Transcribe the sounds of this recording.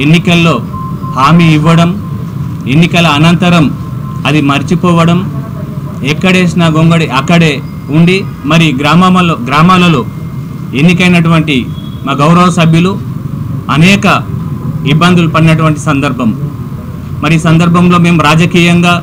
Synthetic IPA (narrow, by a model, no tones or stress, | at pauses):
e̞nːikɐlːo̞ː | haːmiːʋːɐɽɐm | e̞nːikɐlɐːnɐnt̪ɐɾɐm | ɐd̪imɐɾit͡ʃipɔːʋɐɽɐm | ɛkːɐɽe̞ːsnaːɡoŋɡɐɽiʔɐkːɐɽe̞ː | uɳɖi | mɐɾiɡɾaːmaɐloɡɾaːmaːlɐloː | e̞nːikɐjnɐʈ̬uʋɐɳʈi | maːɡɐwɾɐʋɐsɐbʱjulu | ɐnɛːkɐ | ibːɐnd̪ulupɐɽinɐʈ̬uʋɐɳʈi̥sɐnd̪ɐɾbʱɐm | mɐɾisɐnd̪ɐɾbʱɐmlo̞ːme̞ːmuɾaːd͡ʒɐkiːjɐŋɡaː